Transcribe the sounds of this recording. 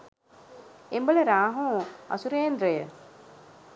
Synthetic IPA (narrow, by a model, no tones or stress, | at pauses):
embələɾaːɦõːɐ̰suɾeːnd̪ɾəjə